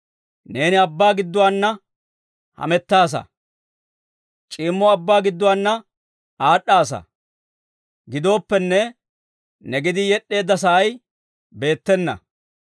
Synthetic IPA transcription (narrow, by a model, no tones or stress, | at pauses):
ne̞ːnɪɐbːaːɡɪd̪ːʊwaːnːɐ | hɐ̰mɛt̪ːaːs̬ɐ̰ | t͡ʃʼiːmːɔɐbːaːɡɪd̪ːɔwaːnːɐ | aːɗaːsɐ̰ | ɡɪd̪o̞ːpːɛnːɛ | nɛɡɪd̪ɪjɛɗːe̞ːd̪ːɐsɐʔɐj | be̞ːt̪ːɛnːɐ̰